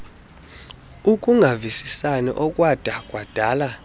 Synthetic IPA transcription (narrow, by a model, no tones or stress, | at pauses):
ukʼuŋʱavisisanɛ̰ʔɔkʼwad̥ʼʱakʼwad̥ʱaːla